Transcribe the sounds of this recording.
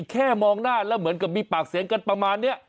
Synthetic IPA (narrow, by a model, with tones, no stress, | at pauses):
kʰɛː˥˩mɔː˧ŋnaː˥˩lɛː˦˥wmɯ˩˦ənka˨˩p̚miː˧paː˨˩k̚si˨˦ŋka˧npɾa˧maː˧nːi˦˥˩ɐ